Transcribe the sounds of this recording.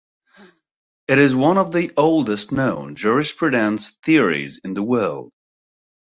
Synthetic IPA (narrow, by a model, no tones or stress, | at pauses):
ɨɾɨzwʌ̃nʌvðiʔoʊlˠdɨstnõʊ̃nd͡ʒʊɹɪspʰɹɨɾæ̃nsθɪɹḭzɪ̃nðəwɜ˞lˠd̥̚